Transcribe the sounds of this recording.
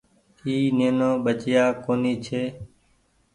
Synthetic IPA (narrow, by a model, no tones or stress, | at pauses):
iːneːnõːɓət͡ʃɪjaːkoːniːt͡ʃʰeː